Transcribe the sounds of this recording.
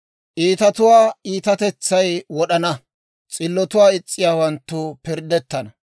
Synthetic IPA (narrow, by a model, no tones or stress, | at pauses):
ʔiːt̪ɐt̪ʊwaːiːt̪ɐt̪ɛt͡sːɐjwɔɗɐnɐ | t͡sʼɪlːɔt̪ʊwaːɪt͡sʼːɪjaːwɐnt̪ːʊpɪɾd̪ɛt̪ːɐnɐ